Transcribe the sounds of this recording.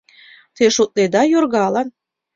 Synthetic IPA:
t̪eʃut̪̚ned̪ɑjorɣɑlɑn

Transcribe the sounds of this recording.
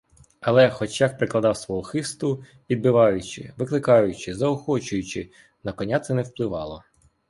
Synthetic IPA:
ɐlˠɛxɔt͡ʃjak̚pɾɪklˠɐd̪ɑwsʋɔɦɔxɪst̪ʊ | ʋʲid̪̚bɪʋɑjʊt͡ʃɪ̰ʋɪklˠɪkɑjʊt͡ʃɪzɐɔxɔt͡ʃʊjʊt͡ʃɪ | nɐkɔnʲat̪sɛnɛwplˠɪʋɑlˠɔ

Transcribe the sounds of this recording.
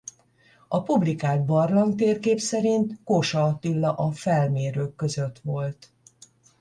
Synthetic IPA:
ɒpublikaːd̪̚bɒrlɒnt̪eːrkeːpsɛɾint̪koʃɒt̪ilːɒʔɒfɛlmeːɾøːkːø̞zø̞t̪ʋo̞lt̪

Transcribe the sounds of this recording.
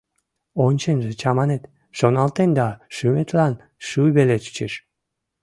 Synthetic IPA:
onʲt͡ɕenʒĕt͡ɕɑmɑnet̪ | ʃonɑlt̪end̪ɑʃymet̪lɑn | ʃuβelet͡ɕy̥t͡ɕeʃ

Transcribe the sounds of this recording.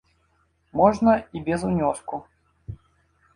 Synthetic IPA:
mɔʐnɐibʲɛzunʲɔsku

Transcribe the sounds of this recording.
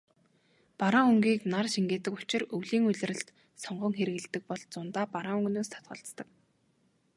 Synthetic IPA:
paɾaŋɵŋɡiːknarʃiŋɡeːt̪ɘ̆kʊt͡ɕɪ̆rɵwɮiːŋɵɮ̆ʲrɘ̆ɬt̪ | sɔɴɢɞ̆ŋxeɾɘ̆ɣɘ̆ɮt̪ɘ̆k̚pɔɮt͡sʊnt̪aːpaɾaːŋɵŋɡnoːst̪ʰḁt̪̚ɢə̆ɬt͡st̪ə̆k

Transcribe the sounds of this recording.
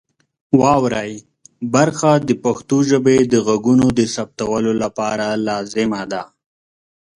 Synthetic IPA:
wɑwɾaj | baɾxad̪əpaxt̪oʒəbed̪əɣaɡunod̪əsap̚t̪awəlolapɑɾalɑzɪmad̪a

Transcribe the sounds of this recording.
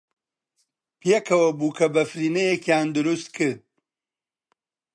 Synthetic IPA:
pʰjekʰɐwɐbuːkʰɐbɐfɾiːnɐjekjand̪ʊɾust̪kʰɨɾd̪̚

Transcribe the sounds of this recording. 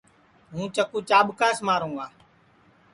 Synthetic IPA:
ɦũːt͡ʃəkuːt͡ʃaːɓkaːsmaːɾũːɡaː

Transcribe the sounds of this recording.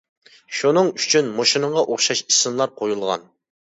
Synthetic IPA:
ʃunɨŋyt͡ʃʰynmoʃinɨɴʁɑʔoχʃɑʃisɨmlˠɑɾqʰojulˠʁɑ̰n

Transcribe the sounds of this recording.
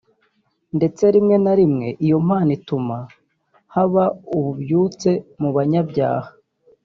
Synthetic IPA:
nde̞t͡se̞ɾimŋe̞naɾimŋe̞ʔijo̞m̥haːnituma | haβauβubjuːt͡se̞muβaɲabɟa̰ːhḁ

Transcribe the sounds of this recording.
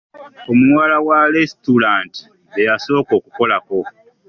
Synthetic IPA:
o̞muwalawaɾestuɾaːnti̥ | ejaso̞ːko̞ːkuko̞lako̞

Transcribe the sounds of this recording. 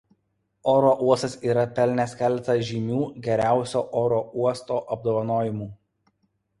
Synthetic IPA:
oːɾoːʔuɔst̪ɐsiːɾɐpʲɛlʲnʲeskʲɛˑlʲt̪ɐʒʲiːmʲuːɡʲɛɾʲæˑʊsʲoːʔoːɾoːuɔst̪oːʔɐb̚d̪oːʋɐnoːjɪmuː

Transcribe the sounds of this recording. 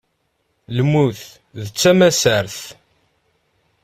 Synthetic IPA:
ləmːuθ | ðət͡sːæmæsəɾθ

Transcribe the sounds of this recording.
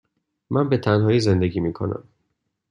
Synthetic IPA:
mænbe̞t̪ʰænɦɒːjiːze̞nd̪e̞ɡiːmiːkʰo̞̰næ̰m

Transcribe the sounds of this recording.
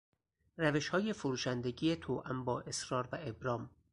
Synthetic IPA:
ræveʃhɒːje̞foɾuːʃænd̪eɟiːjet̪ʰoːʔæmbɒːʔe̞sɾɒːɾvæebɾɒːm

